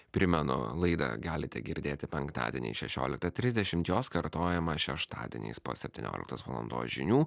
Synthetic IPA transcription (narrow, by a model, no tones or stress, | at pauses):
pʲɾʲɪmʲɛnʊ̰lˠɐɪd̪ɐ̰ɡɑːlʲɪt̪ʲɛ̰ɡʲɪɾʲd̪ʲeːt̪ʲɪpʲɛŋkt̪ɑ̰ːd̪ʲɛ̰nʲɛ̰ɪʃʲɛʃʲo̰ːlʲɪk̚t̪ɐt̪ʲɾʲɪzʲd̪ʲɛʃʲɪmt̪joːskɐɾt̪oːjɛmɐʃʲɛʃt̪ɑ̰ːd̪ʲɪ̰nʲɛ̰ɪspo̰ːsʲɛpʲt̪ʲɪnʲo̰ːlʲɪkt̪ɐsʋɐlˠɐ̰nd̪o̰ːsʒʲɪnʲuː